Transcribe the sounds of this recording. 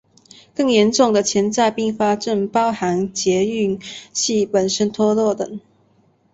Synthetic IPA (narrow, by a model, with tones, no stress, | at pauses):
kɤ˥˩ŋjɛ˧˥nʈ͡ʂʊ˥˩ŋd̪ə˨t͡ɕʰjɛ˧˥nt͡sa˥˧ɪpi˥˩ŋfa˥ʈ͡ʂə˥˩ŋpɑ˦˥ʊxa˧˥nt͡ɕjɛ˧˥y˥˩nɕi˥˩pə˨˩nʂə˥nt̪ʰɔ˥lwɔ˥˩t̪ə˨˩˦ŋ